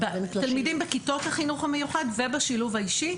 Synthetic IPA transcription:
bt̪almid̪imbekitot̪haχinuχamejuχadvebaʃiluvhaiʃi

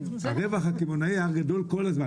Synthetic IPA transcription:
aʁevaχhakivonaiaʁɡad̪o̞lkolazma

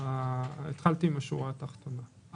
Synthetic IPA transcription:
aet̪χalt̪iimaʃṵʁat̪aχt̪ona

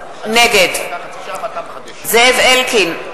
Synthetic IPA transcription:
nɛɡɛd | zɛvɛlkʰin

